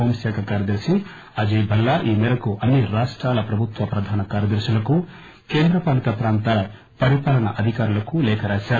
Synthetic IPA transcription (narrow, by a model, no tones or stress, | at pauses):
oːmʃaːkʰɐkaːɾjɐd̪ɐɾʃi | ɐd͡ʒiːbʱɐlːaʔiːmɛɾɐkuʔɐnːiɾaːʂʈɾaːlɐpɾɐbʱut̪ʋɐpɾɐd̪ʱaːnɐkaːɾjɐd̪ɐɾʃulɐku | keːnd̪ɾɐpaːlut̪ɐpɾaːnt̪aːlɐ | pɐɾipaːlɐnɐʔɐd̪ʱikaːɾulɐkulɛːkʰɐɾaːʃaːɾ